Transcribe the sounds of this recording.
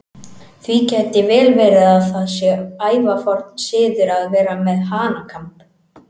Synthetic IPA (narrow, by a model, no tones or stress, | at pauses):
θvicɛːjt̪ɪvɛːlvɛːɾɪðaðθaðsjɛaːjvafɔɾ̥t̪nsɪːðʏɾaðvɛːɾamɛðɦaːnakʰamp